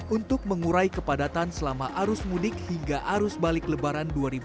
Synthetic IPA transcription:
unt̪ʊk̚məŋuɾaikəpadat̪ansəlamaʔaɾʊsmudɪk̚hiŋɡaʔaɾʊsbalɪkləbaɾanduaɾibu

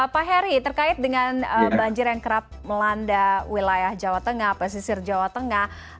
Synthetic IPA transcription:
paɦɛɾit̪ərkaɪt̪̚dəŋanəbaɲd͡ʒɪrjaŋkəɾap̚məlandawilajahd͡ʒawat̪əŋahpas̬isɪrd͡ʒawat̪əŋah

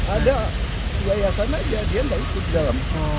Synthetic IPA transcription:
ada | jajasanad͡ʒadiandaikʊt̪̚idalam

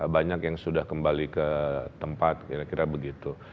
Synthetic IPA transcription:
baɲakjaŋsudahkəmbalikət̪əmpat̪̚kiɾakiɾabəɡit̪u

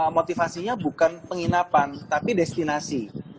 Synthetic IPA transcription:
mot̪ifasiɲabukanpəŋinapant̪apidɛst̪inasi

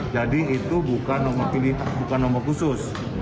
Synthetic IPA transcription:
d͡ʒadiit̪ubukanomɔpiliɦat̪̚bukanːomɔkusʊs

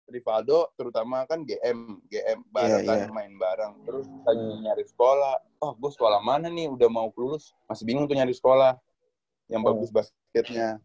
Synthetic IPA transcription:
rifadot̪əɾut̪amakanɡeʔɛmɡeʔɛmbaɾaŋkanmaɪnbaɾaŋt̪əɾʊskaɲɲaɾɪsə̥kolah | ahɡuasə̥kolahmananɪudahmaukəlulʊs | masɪbiŋʊŋt̪uɲaɾisə̥kolah | jaŋbaɡʊsbas | kɛt̪̚ɲa

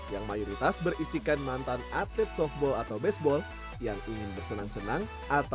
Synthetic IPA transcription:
jaŋmajoɾit̪asbərisikanmant̪anat̪ɛt̪̚sɔf̚bɔlat̪awbɛsbɔl | jaŋiŋɪnbərsənaŋsənaŋ | ʔat̪a

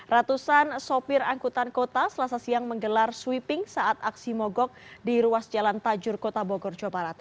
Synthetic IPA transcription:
rat̪usansopɪraŋkut̪ankot̪asəlasasiaŋməŋɡəlarswipɪŋsaʔat̪aksimɔɡɔk̚diɾuasd͡ʒalant̪ad͡ʒʊrkot̪aboɡɔrd͡ʒobaɾat̪̚

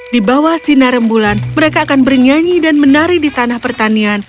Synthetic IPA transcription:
dibawahsinaɾəmbulanməɾekaːkanbərɲaɲidanmənaɾidit̪anahpərt̪anian

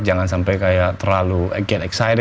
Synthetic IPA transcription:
d͡ʒaŋans̬ampajkajaʔt̪ərlaluaɡɛt̪ɛksajdɛ

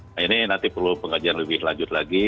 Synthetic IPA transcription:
ajanɪnant̪ipərlupəŋad͡ʒianləbɪhlaɲd͡ʒʊt̪̚laɡi

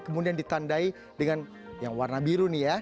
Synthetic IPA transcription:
kəmudiandit̪andai | dəŋan | jaŋwarnabiɾunija

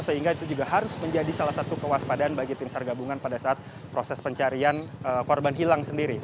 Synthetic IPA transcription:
səɦiŋɡait̪ud͡ʒuɡaɦaɾʊsməɲd͡ʒadisalahsat̪ukəwaspadanbaɡit̪ɪmsarɡabuŋanpadasaʔːt̪̚ | pɾosɛspəɲt͡ʃaɾianəkɔrbanɦilaŋsəndiɾi

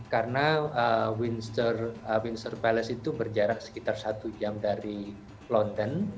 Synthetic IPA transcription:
karənaəwinst̪ərəwinsərpɛlɛsit̪ubərd͡ʒaɾaʔsə̥kit̪arsat̪ud͡ʒamdaɾi | lɔndən

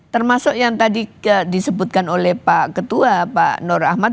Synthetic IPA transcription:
t̪ərmasʊkjaŋt̪adiədisəbʊt̪̚kanolɛhpakət̪uapa̰ʔnʊrahma

